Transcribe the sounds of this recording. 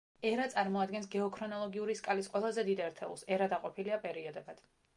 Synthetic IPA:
ɛɾat̪sʼaɾmɔad̪ɡɛns̬ɡɛɔkʰɾɔnɔlˠɔɡiuɾiskʼalisqʼwɛlˠazɛd̪id̪ɛɾt̪ʰɛulˠsɛɾad̪aqʼɔpʰiliapʼɛɾiɔd̪ɛbad̪̥

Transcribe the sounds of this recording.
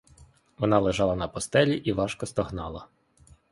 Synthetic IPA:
ʋɔnɑlˠeʒɑlˠɐnɐpɔst̪ɛlʲiʔiʋɑʃkɔst̪ɔɦnɑlˠɐ̰

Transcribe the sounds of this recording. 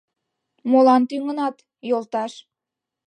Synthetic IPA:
molɑnt̪yŋənɑt̪ | jolt̪ɑʃ

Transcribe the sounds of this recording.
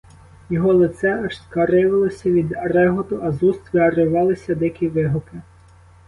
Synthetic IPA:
jɔɦɔlˠɪt̪sɛɐʃskɐɾɪʋɐlˠɪsʲɐʋʲid̪ɐɾɛɦɔt̪ʊʔɐzust̪ʋɪɐɾɪʋɑlˠɪsʲɐd̪ɪkʲiʋɪɦʊpɪ

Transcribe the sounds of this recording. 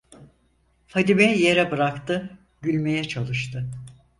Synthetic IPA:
fad̪imejeɾɛbɯɾakt̪ɯ | ɟylʲmejɛt͡ʃʰalˠɯʃt̪ʰɯ

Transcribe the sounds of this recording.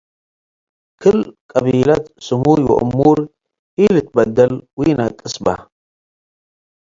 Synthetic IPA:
kʰɨlkʼɐβiːlɐt̪sɨmujwɔ̰ʔʊ̰mːuɾ | ʔilɨt̪̚bɐd̪ɐlwiːnɐkʼːɨsba̰

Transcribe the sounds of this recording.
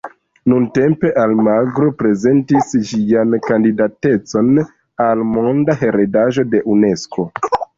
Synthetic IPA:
nunte̞mpe̞ʔalmaɡɾopɾe̞ze̞ntisʒiankandidate̞t͡so̞n | almo̞ndaɦe̞ɾedaʒo̞de̞ʔune̞sko̞

